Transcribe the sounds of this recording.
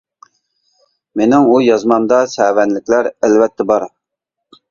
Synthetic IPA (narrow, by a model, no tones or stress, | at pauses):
menɪŋujɑzmɑmd̪ɑsɛwɛnlɪkʲlæɾælvɛt̪ʰːɛbɑɾ